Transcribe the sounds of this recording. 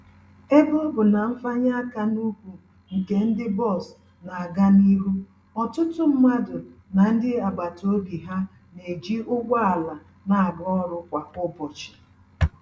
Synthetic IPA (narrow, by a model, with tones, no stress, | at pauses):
e˦bʊ˦bʊ˨na˨m̩˦fa˦ɲa˦a˦ka˦nu˦kʷu˨ | ŋ̩˨ke˨n̩˦dɪ˦bɔ˦˨s | na˨a˨ɡa˦ni˦ɾu˦ | ɔ˨tʊ˦tʊ˦m̩˦ma˦dʊ˨na˨n̩˦dɪ˦a˨ɡ͡ba˨to˦bi˨ɦa˦ | ne˨d͡ʒi˦ʊ˦ɡʷa˦a˨la˨ | na˨a˨ɡɔ˦ɾʊ˦kʷa˨ʊ˦bɔ˨t͡ʃɪ̥˨